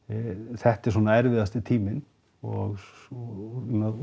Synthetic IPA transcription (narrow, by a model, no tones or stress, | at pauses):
θɛht̪ɛɾ̥s̬ɔːnaɛɾvɪðast̪ɪt̪ʰiːmɪn | ɔɣ | na